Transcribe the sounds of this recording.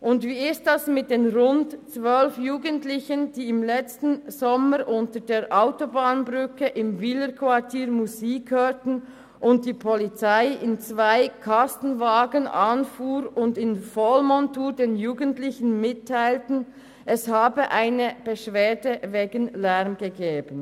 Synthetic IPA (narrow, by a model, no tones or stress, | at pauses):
ʔʊndviːɪst̚dasmɪt̚d̥eːnʁʊntt͡svœlfjuːɡəntlɪçənd̥iːɪmlɛt͡stn̩z̥ɔməɾʔʊntədeːɾʔaʊtobaːnbʁʏkəʔɪmvɪləkʰvatʰiːʁmuziːkhøːtn̩ | ʔʊnt̚d̥iːpʰɔlit͡saɪɪnt͡svaɪkʰastn̩vaːɡənanfuːɾʊndɪnfɔlmɔntuːɾdeːnjuːɡəntlɪçən̩mɪtʰːaɪltn̩ | ʔɛshaːbəʔaɪnəb̥əʃv̥eːdəveːɡənlɛʁmɡ̥əɡeːbən